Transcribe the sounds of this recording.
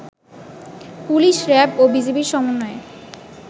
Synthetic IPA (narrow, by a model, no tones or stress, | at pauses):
puliʃɾɛpobid͡ʑepiɾʃɔmonːɔe